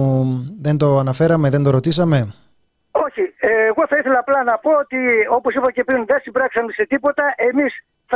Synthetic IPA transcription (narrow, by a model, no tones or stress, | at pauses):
ðe̞nd̪o̞ɐnɐfe̞ɾɐmeðe̞nd̪o̞ɾo̞t̪isɐme̞ | o̞çieɣo̞θɐiθe̞lɐːplɐnɐpo̞ot̪io̞po̞sipɐce̞pɾinðesibɾɐksɐmeset̪ipo̞t̪ɐʔe̞mis | θ